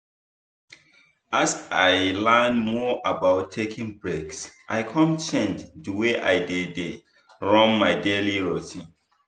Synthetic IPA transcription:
asaɪlɛnmɔʔabaʊtʰːekʰĩŋbɹeɡsʔaɪkʰɔ̃mt͡ʃɛ̃nddəweʔa̰jdede | ɹɔ̃nmaɪdeliɹɔtĩn

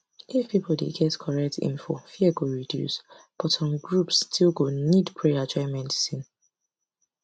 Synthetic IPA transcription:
ʔifpipl̩dḛɡɛtkʰɔɹɛk̚tḭ̃nfɔ̰fiɛɡoɹidjṵs | b̥ɔtʰɔ̃mɡɹupstʰilɡonidpʰɹead͡ʒɔ̃ɪmɛ̃ntsĩn

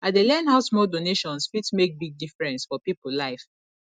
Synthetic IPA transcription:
adelɛ̃nɦaʊsmɔldoneʃɔ̃nsfitsmek̚biɡ̚difɹɛ̃nsfɔpipullaɪf

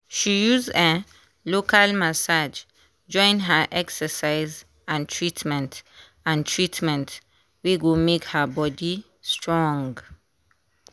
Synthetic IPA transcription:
ʃijuzɛ̃ | lokʰalmasad͡ʒ | d͡ʒɔ̃ɪ̃nɦəʔɛksəsaɪz | ãntʰɹitmɛ̃nt | ãntʰɹitmɛ̃nt | weɡomekhəbɔdi | stʰɹɔ̃ŋɡ

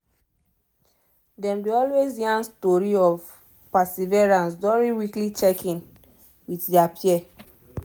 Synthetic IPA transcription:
dɛ̃mdiɔlweziãnstɔɹiɔv | pasevɛɹãnsvɛɹiwiklit͡ʃɛkĩn | witdɛapʰiɛ

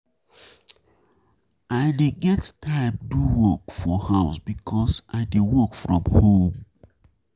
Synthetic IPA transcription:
aɪdeɡɛttʰaɪp̚duwɔkfɔhaʊsbikʰɔsʔaɪdewɔkfɹɔ̰̃mhõm

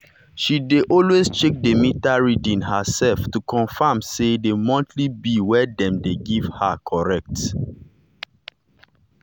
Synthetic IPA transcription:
ʃideʔɔlwest͡ʃek̚demitaɹidĩnhəsɛlftukʰɔ̃nfamsedemɔ̃ntʰlibiwɛdɛ̃mdeɡiv̥hakʰɔɹɛk̚t

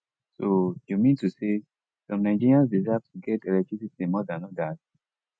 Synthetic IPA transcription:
sojumĩntuse | sɔ̃mnaɪd͡ʒiɹiãns̬dizafsuɡɛtɛlɛktɹisitĩmɔdãnɔdat̚

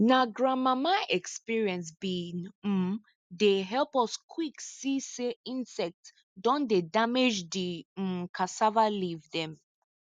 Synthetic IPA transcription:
naɡɹãmamaʔɛkspiɹiɛ̃ns̬bin̩ | deɦɛlpɔskʰwiksiseĩnsɛk̚t | dɔ̃ndedamed͡ʒdim̩kʰasavalivdɛ̃m

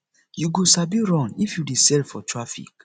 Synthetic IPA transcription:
juɡosabiɹɔ̃nifjudisɛlfɔtʰɹafḭk

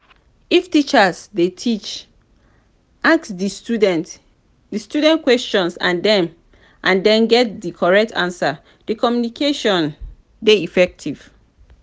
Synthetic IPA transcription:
iftit͡ʃasdetʰit͡ʃ | ʔaksdt | distjudɛ̃ntkwɛst͡ʃɔ̃nsã̰ndɛ̃m | ʔãndɛ̃nɡɛt̚dikʰɔɹɛk̚tʰã̰nsa | dikʰɔmjunikʰeʃɔ̃n | deifɛk̚tʰiv̥

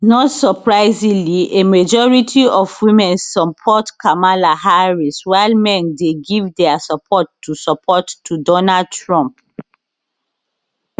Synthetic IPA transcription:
nɔtsɔpɹaɪzĩliʔemad͡ʒɔɹitʰiɔvwĩmɛ̃nsːɔpʰɔtkʰamalahaɹiswaɪlmɛ̃ndeɡivdɛasapʰɔtːusɔpʰɔtːudɔnad̚tɹɔ̃mp

